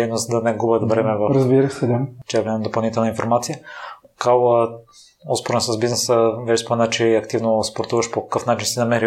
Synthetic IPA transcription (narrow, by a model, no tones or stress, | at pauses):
d̪ɛjnost̪d̪ɐnɛɡubət̪vɾɛmɛvɐɾəzbiɾəsɛd̪ʲat͡ʃɛbɛnɛnd̪opɐlˠnit̪ɛlˠnəinfoɾmat̪sijə | kalˠə | ɔspoɾɛnsəzbiznɛsəvɛʃspomɛnat͡ʃɛɐkt̪ivnospoɾt̪uvɐʃpokɐ̥kɤfnat͡ʃinsinɐmɛɾi